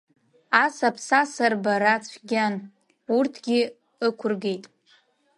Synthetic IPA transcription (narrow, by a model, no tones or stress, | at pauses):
asapʰsasarbaɾat͡sʷʰɡʲan | urtʰɡʲɪ | ɨkʷʰʊrɡe̞jtʼ